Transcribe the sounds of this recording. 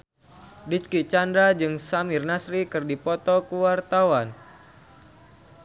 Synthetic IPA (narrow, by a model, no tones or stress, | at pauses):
dit͡ʃkit͡ʃandɾad͡ʒɨŋsamirnasɾikɨrdipɔt̪ɔkuwart̪awan